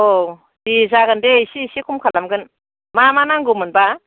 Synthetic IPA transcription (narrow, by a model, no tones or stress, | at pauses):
o | dizaɡɯndesisikʰumkʰalamɡɯn | mamanaŋɡumɯnba